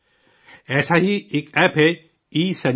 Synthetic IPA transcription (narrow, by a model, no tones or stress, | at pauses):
ɛːsaɦiekɛːpɦɛ | iːsɐ